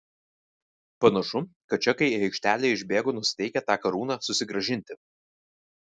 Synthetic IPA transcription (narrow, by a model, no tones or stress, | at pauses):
pɐnɐʃʊkɐt̪̚t͡ʃʲɛkɐɪɛɪkʃʲt̪ʲæːlʲeːɪʒʲbʲeːɡʊnʊsʲɪ̥t̪ʲɛɪkʲɛt̪ɑːkɐɾuːnɑːsʊsʲɪɡɾɐʒʲɪnʲt̪ʲɪ